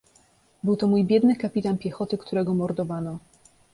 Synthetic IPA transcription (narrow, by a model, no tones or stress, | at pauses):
bɘwt̪ɔmujbʲjɛd̪nɘkapʲit̪anpʲjɛxɔt̪ɘkt̪uɾɛɡɔmɔɾd̪ɔvanɔ